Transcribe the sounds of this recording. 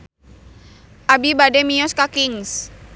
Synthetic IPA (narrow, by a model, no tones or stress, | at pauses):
ʔabibadɛmiɔskakiŋs